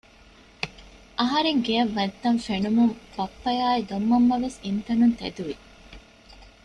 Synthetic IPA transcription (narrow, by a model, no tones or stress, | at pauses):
ʔɐɦɐɾeŋɡeɐʋːɐnt̪ːɐɱfenumumbɐpːɐjaːid̪omːɐmːɐʋesint̪ɐnunt̪ḛd̪uʋi